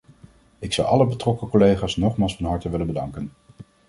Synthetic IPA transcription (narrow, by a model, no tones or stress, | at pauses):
ɪksɑwɑləbətrɔkəkolejχaːsnɔχmaːlˠsfɑnɦɑɹtəʋɪlənbədɑŋkən